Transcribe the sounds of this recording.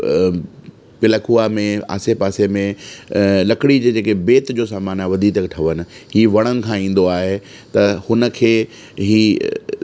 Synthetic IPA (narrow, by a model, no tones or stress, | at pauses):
pɪləkuamẽa̰ːsepaːsemẽ | lɐkɪɽid͡ʑeːd͡ʑeːkebeːt̪d͡ʑoːsaːmaːnaːɪʋɐd̪ʱit̪ɐkʈʰɐʋənɪ̆ɦiːʋɐɽ̃ənɪ̆kʰãːĩːn̆d̪oaːɦe | t̪ɐhʊnə̆kʰeː | ɦiː